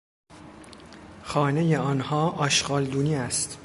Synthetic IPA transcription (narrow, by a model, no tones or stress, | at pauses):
xɒːnejeɒːnhɒːʔɒːʃɢɒːld̪uːniːæst̪